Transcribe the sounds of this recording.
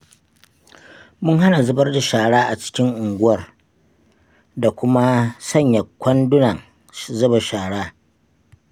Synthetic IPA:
mʊ˦ŋɦa˦na˨zʊ˦bɐ˦rda˨ʃaː˨ɽaː˦ʔa˨t͡ʃɪ̥˦kʲɪ˦ŋʔʊ˨ŋɡʷʊ˦wɐ˨r | da˨kʷʊ˦ma˦sɐ˦˨ɲja˨kʷɐ˦ndʊ˦nɐ˨ŋ | zʊ˦ba˨ʃaː˨ɽaː˦

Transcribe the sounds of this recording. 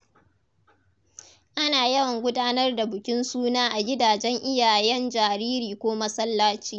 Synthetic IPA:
ʔa˦naː˨jɐ˦wɐ˨ŋɡʷʊ˦daː˦nɐ˦rda˨bʊ˨kʲɪ˦nsuː˦naː˦ʔa˨ɡʲɪ˦daː˨d͡ʒɛ˦ŋʔɪ˦jaː˨jɛ˦nd͡ʒaː˨ɾiː˦ɾiː˨kʷoː˦mɐ˦sɐ˦lːaː˦t͡ʃiː˦

